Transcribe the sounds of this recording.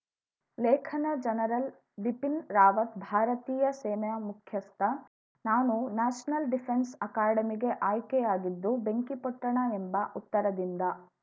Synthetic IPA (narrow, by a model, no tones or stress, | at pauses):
lɛːkʰɐnɐd͡ʒɐnɐɾɐl | ʋipinɾaːʋɐt̪bʱaːɾɐt̪iːjɐseːnɐɐmukʰjɐst̪ʰɐ | naːnunaːʃnɐlɖipʰensɐkaːɽɐmiɡe̞ʔaːjkɛjaːɡid̪ːube̞ŋkipɐʈ̪ːɐɳɐembɐʔut̪ːɐɾɐd̪ind̪ɐ